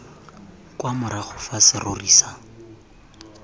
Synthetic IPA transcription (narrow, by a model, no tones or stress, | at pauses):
kwamʊɾaχʊfasɪroriːsa